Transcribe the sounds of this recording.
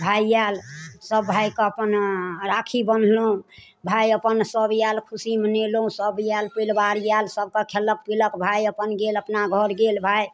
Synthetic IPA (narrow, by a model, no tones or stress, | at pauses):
bʱajalsəbːʱajkɔəpənɾakʰibənlõ | bʱajəpənsəbjalkʰusimənelõsəbjalpəjlbaɾjalsəb̚kɔkʰelək̚piləkbʱajəpənɡeləpnaɡʱəɾɡelbʱaj